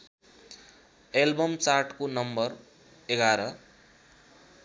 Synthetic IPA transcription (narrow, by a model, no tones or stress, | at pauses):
elbʌmt͡sarʈkonʌmbʌr | eɡaɾʌ